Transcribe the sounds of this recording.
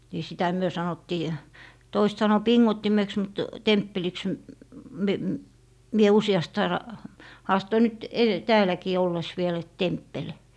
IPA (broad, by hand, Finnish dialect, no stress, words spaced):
ni sitæ myø sɑnotːiː toisĕt sɑno piŋːotːimeks mut tempːeliks m me mie usiɑst ɑinɑ hɑːstoi nyt ede tæːlækiː olːes ʋiel et tempːel